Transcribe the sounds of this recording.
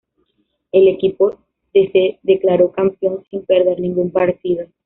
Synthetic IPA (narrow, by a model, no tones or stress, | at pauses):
ele̞kipo | d̪eseðeklaɾokampjo̞nsimpeɾðeɾnĩŋɡumpaɾt̪iðo